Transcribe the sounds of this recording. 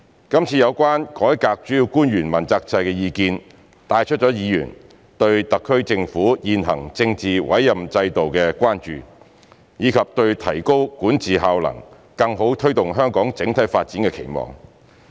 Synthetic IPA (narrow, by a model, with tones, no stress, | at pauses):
kɐ˥mt͡sʰiː˧jɐ˨˧wkʷaː˥nkɔː˨˥jkaː˧k̚t͡ʃyː˨˥ji˧wkuː˥njyː˨˩nmɐ˨˩nt͡saː˧k̚t͡sɐ˧jkɛː˧jiː˧kiː˧n | t̪aː˧jt͡ʃʰt̚t͡ʃɔː˨˥jiː˨˧jy̰ː˨˩n | t̪ɵ˧ɥt̪ɐ˨kʰːɵ˥ɥt͡sɪ˧ŋfuː˨˥jiː˨nɦɐ̰˨˩ŋt͡sɪ˧ŋt͡siː˨wɐ̰˨˥jːɐ˨mt͡sɐ˧jt̪o˨wkɛ˧kʷaː˥nt͡ʃy̰ː˨ | jiː˨˧kʰɐ˨p̚t̪ɵ˧ɥt̪ʰɐ˨˩jko˥wkuː˨˥nt͡siː˨ɦaː˨wlɐ̰˨˩ŋ | kɐ˧ŋɦo˨˥wt̪ʰɵ˥ɥt̪ʊ˨ŋɦœː˥ŋkɔː˨˥ŋt͡sɪ˨˥ŋt̪ʰɐ˨˥jfaː˧t̚t͡siː˨˥nkɛ˧kʰḛ˨˩jmɔ̰ː˨˩ŋ